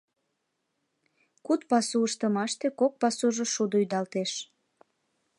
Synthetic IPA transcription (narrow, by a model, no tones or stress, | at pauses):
kut̪pɑsuəʃt̪əmɑʃt̪ekok̚pɑsuʒoʃud̪oyd̪ɑlt̪eʃ